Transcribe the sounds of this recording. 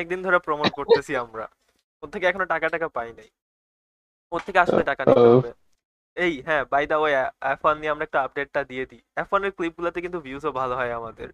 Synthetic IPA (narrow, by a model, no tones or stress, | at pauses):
ɛk̚d̪ind̪ʱɔɾapɾɔmoʈ̚koɾt̪et͡ɕʰiamɾa̰ | od̪t̪ʰːekeɛkʰonoʈakaʈakapajnaj | odt̪ʰːekeaʃoneʈakanibe | ejɦɛ̃bajd̪aojɛfanːieamɾaɛk̚ʈaap̚ɖeʈ̚ːad̪ied̪i | ɛfaneɾklip̚ɡulat̪ekint̪ubʱjuzobʱaloɦɔeamad̪ḛɾ